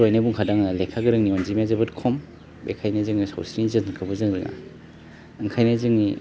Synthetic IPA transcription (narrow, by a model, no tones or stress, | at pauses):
ɾojnabuŋkʰadaŋnalekʰaɡɯɾɯŋniɔnzimazabɯt̚kʰɔm | bḛkʰajnazɯŋnisa̰wsɾiizɯŋkʰɯbɐzɯŋɾɯŋʔa̰ | ɯŋkʰajnazɯŋni